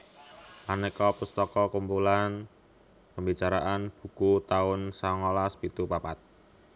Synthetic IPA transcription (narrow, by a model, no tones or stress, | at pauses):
manɛkɔpust̪ɔkɔkumpulan | pəmbit͡ʃaɾa̰ʔanb̥ṳkut̪aʊnsaŋɔlaspit̪upapat̪̚